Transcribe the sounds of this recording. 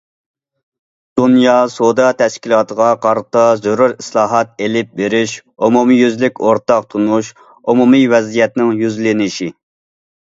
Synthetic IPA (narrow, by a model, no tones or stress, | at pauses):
d̪̥unjɑsod̪ɑt̪ʰɛʃkʲilˠɑːt̪ʰəʁɑqʰɑɾt̪ɑzoɾuɾislˠɑːɦɑt̪̚elɪp̚beɾɪʃumumijyzlɪkʲoɾt̪ɑq̚t̪ʰunuʃ | umumivɛzijɛt̪nɪŋjyzlɪnɪʃi